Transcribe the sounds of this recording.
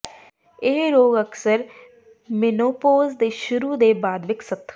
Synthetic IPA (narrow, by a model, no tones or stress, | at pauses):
ɪɦɾoːɡəksəɾ | mɪnoːpoːzd̪eːʃʊɾuːd̪eːbaːd̪ʋɪksət̪ʰː